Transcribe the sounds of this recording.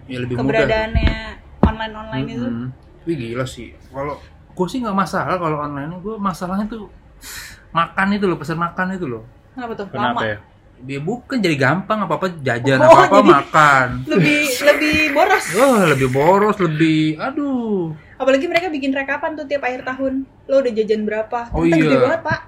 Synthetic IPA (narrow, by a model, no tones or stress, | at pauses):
jaləbɪhkəmubəɾadadaːnaɔnlaɪnɔnlajnit̪ | wiɡilasɪ̰h | kalo | ɡ̥uasɪhŋɡaʔmasalahkaloɔnlajinɡuɛmasalahɲat̪u | makanit̪̬ulʊpəsərmakanit̪ulʊh | napat̪ʊkənamaj | biabukand͡ʒadiɡampaŋapaːpad͡ʒad͡ʒanaapamakanləbɪhləbɪhboɾɔsəhləbɪhboɾɔsləbɪhadu | apalaɡiməɾekabikɪnrakapant̪ʊt̪iapaɪrt̪aɦʊn | loudahd͡ʒad͡ʒanbəɾapaoiaəabibaŋət̪̚paʔ